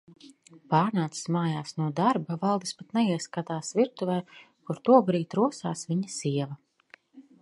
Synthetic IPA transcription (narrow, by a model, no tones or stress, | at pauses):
paːɾnaːt̪si̥smaːjaːsnuɔd̪aɾbavalˠd̪ispat̪nɛiɛskat̪aːsviɾ̚t̪uvɛj | kuɾt̪uɔbɾiːt̪ɾuɔsa̰ːsvʲiɲɐsiɛvɐ